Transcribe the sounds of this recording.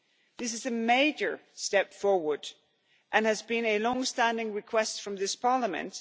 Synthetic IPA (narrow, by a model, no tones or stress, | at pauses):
ðɪs̬ɨzɨmeɪd͡ʒə˞stɛpfɔɹwə˞d | ʔɨ̃nɨzbɨ̃nɨlɔ̃ŋstæ̃ndɪ̃ŋɹɨkʰw̥ɛstfɹʌ̃mðɪspʰɑɹləmɨ̰̃nt